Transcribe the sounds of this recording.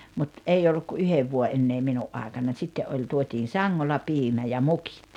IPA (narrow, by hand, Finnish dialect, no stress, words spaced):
mut ei olːuk ku yheʋ ʋuoʔ ʔenːeː minuʔ ʔɑˑekɑnɑnʲ sitːeʔ ʔolʲ tuotiːn̞ sɑŋːolːɑ piːmæ jɑ muki̥t